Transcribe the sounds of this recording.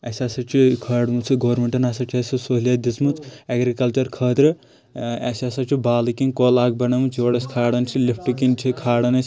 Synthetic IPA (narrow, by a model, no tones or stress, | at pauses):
ɐsasɐt͡ʃʰikʰɐːɽmut͡sʰiɡoɾmeɳʈɐnasɐt͡ʃʰiesɐsoɦlʲiɐd̪ismut͡sʰɐɡɾikɐlt͡ʃɐɾkʰəːt̪ɾɨ | asasɐt͡ʃʰibaːlikinkolaːɡ̚bɐnɐmut͡sʰoːɽɐskʰaːɽɐnt͡ʃʰilipʰʈukint͡ʃʰikʰaːɽɐnɐs